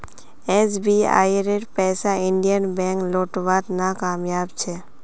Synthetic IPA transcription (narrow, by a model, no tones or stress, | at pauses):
ɛsbia̰ːiɾeʈpɛːsaɪ̃ɳɖijənbɛ̃ːŋkloːʈʋaːt̪nakaːmjaːbt͡ʃʰeː